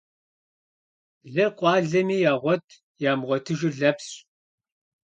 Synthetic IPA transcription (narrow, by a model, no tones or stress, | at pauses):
ɮɐqʷʼɑːɮɐmiːjaːʁʷɔtʰ | jaːmʁʷɔtʰɨʒɪɮɐpɕʼ